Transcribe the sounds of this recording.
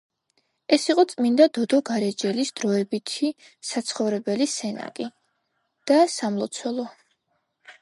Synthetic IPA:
ɛsiqʼɔt̪sʼmind̪ad̪ɔd̪ɔɡaɾɛd͡ʒɛlisd̪̥ɾɔɛbit̪ʰi | sat̪sʰχɔvɾɛbɛlisɛna̰kʼi | d̪̥asamlˠɔt̪sʰwɛlˠɔ

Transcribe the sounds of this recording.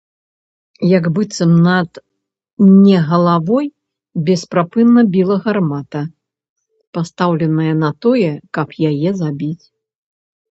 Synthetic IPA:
jɐɡbɨt̪sɨmnɐt̪ | nʲɛɣɐlˠavɔj | bʲɛspɾapɨnːɐbʲilˠɐɣɐrmat̪ɐ | past̪awlʲɛnɐjɐnɐt̪ɔjɛkɐpjajɛzabʲit͡sʲ

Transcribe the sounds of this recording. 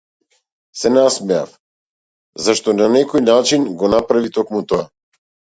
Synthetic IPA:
sɛnasmɛa̰f | zaʃt̪ɔnanɛkɔjnat͡ʃinɡɔnapɾavit̪ɔkmut̪ɔa

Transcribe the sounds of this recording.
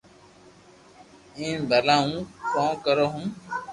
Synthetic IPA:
ĩːbəlãːũːkɔ̃ːkəɾoːɦũː

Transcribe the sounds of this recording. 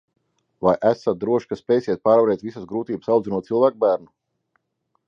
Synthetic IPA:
vajʔæsat̪̚d̪ɾuɔʃkaspʲɛːjsiɛt̪̚paːɾvaɾɛːt̪ʲvisasɡɾuːt̪iːbə̥sawd̪zinuɔt̪silˠvæːk̚bæːɾnu

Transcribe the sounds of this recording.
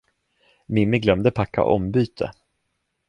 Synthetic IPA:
mɪmːɪɡlœmd̪əpʰakʰːa̰ʔɔmbyːt̪ʰə̰

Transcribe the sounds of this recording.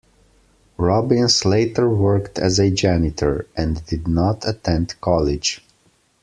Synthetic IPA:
ɹɑbɪ̃nsleɪtə˞wɜ˞ktʰæ̰zɨd͡ʒænɪtʰə˞ʔɛ̃ndɪdⁿnətʰətʰɛ̃ndkʰɑlɪ̥d͡ʒ̥

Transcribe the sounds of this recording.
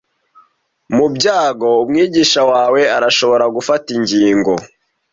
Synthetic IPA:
mubɟaːɡo̞umŋiːɟiːʃawaːwe̞aɾaʃo̞βo̞ɾaɡufatiɲɟiːŋɡo̞

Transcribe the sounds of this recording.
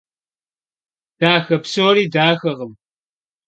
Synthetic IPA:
d̥aːxɐpsoːɾiːdaːxɐʁəm

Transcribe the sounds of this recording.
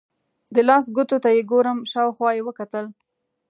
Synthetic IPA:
d̪əlɑsɡʊt̪ot̪ajeɡoɾəmʃɑwxwɑjewəkat̪əl

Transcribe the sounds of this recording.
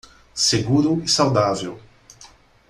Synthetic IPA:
seɡuɾuisawd̪avew

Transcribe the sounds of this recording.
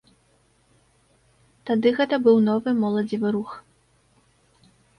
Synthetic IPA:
t̪ad̪ɨɣɛt̪ɐbɨwnɔvɨmɔlˠɐd͡zʲivɨɾux

